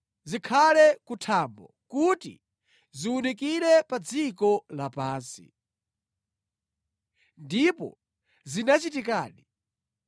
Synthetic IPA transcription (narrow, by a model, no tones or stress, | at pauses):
zikʰalɛkutʰambɔ̰ | kutḭ | ziwunik̬iɾɛpad͡zikɔlapaːnsḭ | ndipɔ̰ | zinat͡ʃitikaːɗi